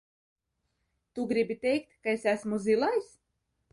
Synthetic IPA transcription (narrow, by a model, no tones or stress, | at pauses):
t̪uɡɾibʲit̪ɛjkt̪kaesæsmuzilˠajs